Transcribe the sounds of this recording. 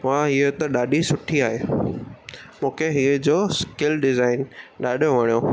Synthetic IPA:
ãɦiet̪ɐɗaːɗisʊʈʰiaːɦeː | mũːkʰeɦiːd͡ʑoːskɪlɖɪzaːɪnɗaːɗijõʋɐɽ̃ijo

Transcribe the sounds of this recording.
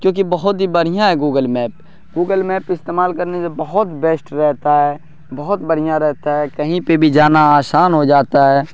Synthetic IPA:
kjõːk̬ibɐɦʊt̪ɦibɐɽ̤ijãɦɛɡuːɡəlmɛːp̚ | ɡuːɡəlmɛːpɪst̪eːmaːlkɐɾnesebɐɦʊt̪beːsʈɾɛɦt̪aɦɛː | bɐɦʊt̪bɐɽ̤ijãɾɛɦt̪aɦɛkɐɦĩpebʱid͡ʒaːnaaːsaːnɦod͡ʒaːt̪aɦɛː

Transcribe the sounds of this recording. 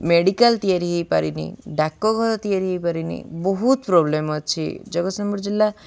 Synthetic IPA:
meɽikalt̪ijaɾiɦejpaɾinḭɖakːɔɡʱɔɾɔt̪iaɾiɦepaɾinḭbɔɦut̪pɾɔblemɔt͡ʃʰḭd͡ʒɔɡɔsɔmbuɾd͡ʒilːa

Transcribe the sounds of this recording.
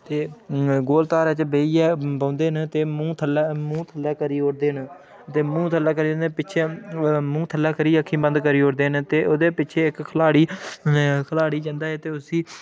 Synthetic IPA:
t̪eːɡoːlt̪aːɾɛːt͡ʃbeːiːɛːpə̃ːnd̪eːnt̪eːmũːt̪ʰəlɛmũːt̪ʰəlːɛːkəɾiːoːɾd̪eːn | t̪eːmũːt̪ʰəlːɛːk̬əɾiːd͡ʒə̃nd̪pɪt͡ʃʰeːmũːt̪ʰəlːɛːkəɾiːəkʰĩːbə̃nd̪kəɾiːoːɾd̪eːnt̪eːʔoːd̪eːpɪt͡ʃʰeːɪkkʰəlaːɽiː | kʰlaːɽiːd͡ʒənd̪aːɛːt̪eːʊsiː

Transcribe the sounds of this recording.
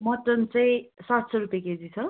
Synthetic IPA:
mʌt̪ʌnt͡saj̃sat̪sʌɾupjeked͡zit͡sʰʌ

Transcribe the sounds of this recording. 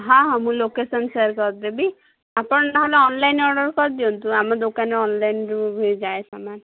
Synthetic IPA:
ɦãɦãmũlokesɔnseɾkɔɾd̪ebi | apɔɳaɦɔleɔnlajnɔɾɖɔɾkɔɾd̪iɔnt̪uamɔd̪okaneɔnlajnɾubʱed͡ʒajsaman

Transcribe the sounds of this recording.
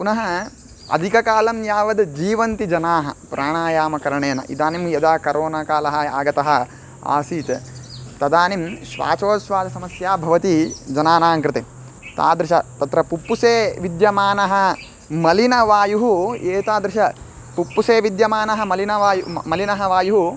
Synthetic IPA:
kunɐɦɐ | ɐ̰d̪ʱikɐkaːlɐmjaːʋɐd̪d͡ʒiːʋɐnt̪id͡ʒɐnaːɦɐ̰pɾʔaːɳaːjaːmɐkɐɾɐɳeːnɐ̰ʔḭd̪aːnimjɐd̪aːkɐɾʔoːnakaːlɐɦɐ̆aːɡɐt̪ɐɦɐ̆ | a̰ːsiːt̪t̪ɐd̪aːnimʃʋa̰ːt͡ʃoːʃʋaːd͡ʒ̪ɐsɐmɐsjaːbʱɐʋɐt̪id͡ʒɐnaːnaːŋkɾɪt̪e | t̪a̰ːd̪ɾɪʃɐt̪ɐt̪ɾɐpupːuseːʋid̪jɐmaːnɐɦɐ̆ | mɐlinɐʋaːjuɦueːt̪aːd̪ɾɪʃɐ | pupːuseːʋid̪jɐmaːnɐɦɐ̆mɐlinɐʋaːjumɐlinɐɦɐʋaːjuɦu

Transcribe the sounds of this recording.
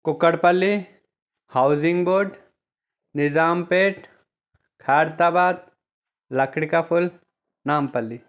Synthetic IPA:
kʊkəɽpɐlːi | haʊzɪŋɡboːɾɖ | nɪzaːmpeːʈ | kʰaːɾt̪abaːd̪̚ | lɐkɽikapʰʊl | naːmpɐlːi

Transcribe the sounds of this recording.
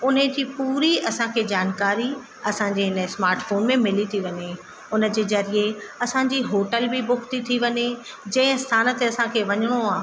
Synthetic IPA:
ʊnə̃d͡ʑiːpuːɾiɐsãkʰeːd͡ʑaːnkaːɾi | ɐsãd͡ʑeɦɪnəsmaːɾʈfoːnmẽmɪlit̪ʰiʋɐɲe | ʊnə̆d͡ʑeːzɐɾieɐsãd͡ʑiɦoːʈəlbɪbʊkʰt̪it̪ʰiʋɐɲe | d͡ʑɐ̃ːɪ̃st̪ʰaːnət̪eɐsãkʰeːʋɐɲəɽ̃oaː

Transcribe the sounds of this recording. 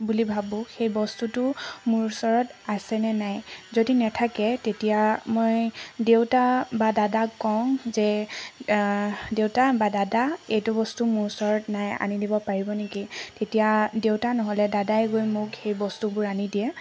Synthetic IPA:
bulibʱabʊ̃xejbɔstutʊmʊɹsɔɹɔtasɛnɛnajzodinɛtʰakɛtetijamojdewtabadadakːɔ̃zɛ | dewtabadadaejtʊbɔstumʊɹsɔɹɔtnaja̰nidibɔpaɹibɔnekitetijadewtanɔɦɔlɛdadajɡojmʊkxejbɔstubʊɹanidijɛ

